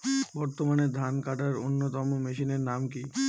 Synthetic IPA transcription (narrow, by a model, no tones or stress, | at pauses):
bɔɾt̪omaned̪ʱankaʈaɾonːot̪ɔmomeʃineɾnamki